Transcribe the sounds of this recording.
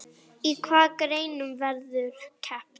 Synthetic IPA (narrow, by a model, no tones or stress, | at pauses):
ikʰwaːkɾejnumvɛɾðʏkʰɛp